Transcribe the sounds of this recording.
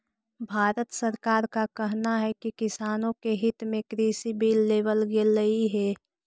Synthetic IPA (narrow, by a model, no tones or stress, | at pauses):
bʱaːɾət̪səɾkaːɾkakɛɦnaɦɛkikɪsaːnõkeɦɪt̪mẽkɾiːsibiːlːeːʋəlɡelːəiɦɛː